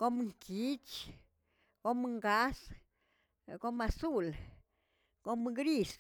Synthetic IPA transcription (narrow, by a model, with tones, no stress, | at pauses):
ko˦mŋki˦t͡ʃ | ko˦mŋɡa˦s | ko˦ma˧su˦l | ko˦mŋɡɾi˦˨s